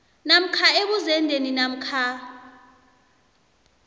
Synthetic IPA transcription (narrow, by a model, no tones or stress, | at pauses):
nam̩kʰaeɓuzɛndʱeninam̩kʰa